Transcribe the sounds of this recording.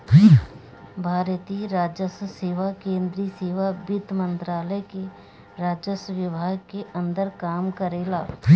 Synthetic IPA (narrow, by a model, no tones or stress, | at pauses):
bʱaːɾt̪iːɾaːd͡ʒjəsseːʋakẽːnd̪ɾiseːʋabɪt̪mə̃nt̪ɾaːləke | ɾaːd͡ʒəsʋɪbʱaːɡ̚keʔə̃nd̪əɾkaːmkəɾeːlaː